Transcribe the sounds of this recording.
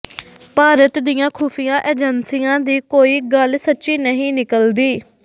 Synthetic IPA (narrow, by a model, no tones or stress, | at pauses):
paːɾət̪d̪ɪjãːkʰuːpʰɪjãːʔeːd͡ʒənsɪjãːd̪iːkoːiːɡəlsətːʃiːnəɦĩːnɪkəld̪iː